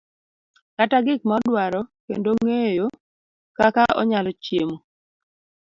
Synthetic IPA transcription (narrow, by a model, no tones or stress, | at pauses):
kataɡɪk̚maɔdwaɾɔkḛndoŋejo | kakaɔ̰ɲalɔt͡ʃjemo